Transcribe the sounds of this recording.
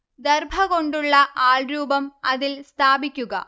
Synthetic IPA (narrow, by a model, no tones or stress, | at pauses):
d̪erbʱɐɣo̞ɳɖuɭːɐʔaːɭɾuːbɐmɐðilst̪ʰaːbikʲːuɣɐ̰